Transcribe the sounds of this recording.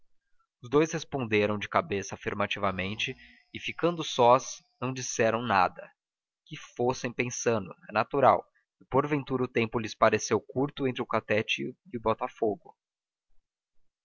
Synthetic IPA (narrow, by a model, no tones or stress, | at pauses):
ʊzd̪ojshespõnd̪eɾɐ̃w̃d͡ʒɪkabesɐafiɾmat͡ʃivɐmẽnt͡ʃɪ | ɪfikɐ̃nd̪ʊsɔsnɐ̃w̃d͡ʒisɛɾɐ̃w̃na̰d̪ɐ | kɪfosẽj̃pẽsɐ̃nd̪ʊ̰ɛnat̪uɾaw | ɪpoɾvẽnt̪uɾɐʊt̪ẽmpʊlɪspaɾesewkuɾt̪ʊẽnt̪ɾɪʊkat̪ɛt͡ʃɪɪʊbɔt̪afoɡʊ